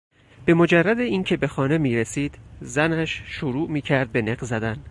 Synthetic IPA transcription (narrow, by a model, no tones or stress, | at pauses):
b̥e̞mo̞d͡ʒærːæd̪eiːncʰe̞be̞xɒːne̞miːɾesiːd̪zænæʃʃoɾuːʔmiːcʰæɾd̪̚be̞neɣzæd̪æn